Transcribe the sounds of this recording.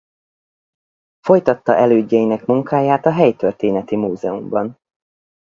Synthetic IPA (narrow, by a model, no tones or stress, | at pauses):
fo̞jt̪ɒt̪ːɒʔɛløːɟːɛjinɛkmuŋkaːjaːt̪ɒɦɛjt̪ørt̪eːnɛt̪imuːzɛumbɒn